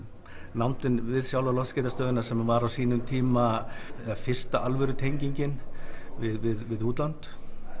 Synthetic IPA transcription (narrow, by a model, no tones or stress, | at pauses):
nawnt̪ɪnvɪðsjawlalɔfscɛt̪ast̪œːðʏnasɛmvaɾawsiːnʏmt̪ʰiːma | fɪr̥st̪aʔalvʏɾʏt̪ʰejɲciɲcɪnvɪðvɪðvɪðuːt̪lant̪